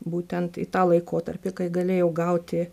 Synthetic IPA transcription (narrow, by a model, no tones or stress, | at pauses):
buːt̪ʲɛnt̪ɪ̰t̪ɑːlˠɐɪkoːt̪ɐrʲpʲɪkɐɪɡɐlʲeːjɛʊɡɐʊt̪ʲɪ